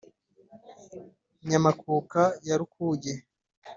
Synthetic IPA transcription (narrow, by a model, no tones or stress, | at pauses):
ɲamakuːkajaɾukʰuːɟe